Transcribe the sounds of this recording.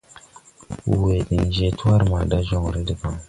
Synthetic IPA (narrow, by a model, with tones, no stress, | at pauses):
u˨we˨di˨n˨d͡ʒe˦tu˦a˦ɾma˨da˦ʒɔ˦˨ŋ˨ɾi˦de˨pa˨ŋ